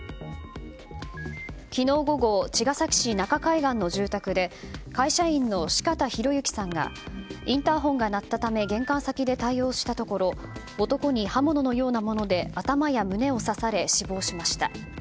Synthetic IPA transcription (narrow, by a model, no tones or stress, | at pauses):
kʲino̞ːɡo̞ɡo̞t͡ɕiɡasakʲi̥ɕinakakaiɡãnːo̞ʑɨːt̪akɯ̟d̪e̞kaiɕaĩnːo̞ɕi̥kat̪açiɾo̞jɯ̟kʲi̥sãŋɡa̰ĩnt̪aɦõ̞ŋɡanat̪ːat̪ame̞ɡẽ̞ŋkãɰ̃sakʲid̪e̞t̪aio̞ːɕi̥t̪at̪o̞ko̞ɾo̞ː | t̪o̞ko̞ɲ̟ihamo̞no̞no̞jo̞ːnamo̞no̞d̪e̞at̪amajamɯ̟ne̞o̞sasaɾe̞ɕibo̞ːɕimaɕi̥t̪a̰